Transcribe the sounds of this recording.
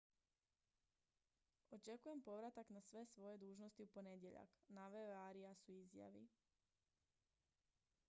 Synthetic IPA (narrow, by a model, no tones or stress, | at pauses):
ɔt͡ʃɛkujɛmpɔʋɾat̪aɡnasʋɛːsʋɔjɛd̪uːʒnɔsciupɔɲɛɟɛʎa̰knaʋɛaːɾiasuizja̰ʋḭ